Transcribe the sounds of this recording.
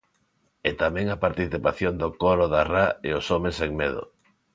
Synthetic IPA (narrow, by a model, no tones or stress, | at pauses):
et̪amɛ̃ŋɐpaɾt̪iθipaθjond̪okoɾoðaraeosomeseŋmeðo̰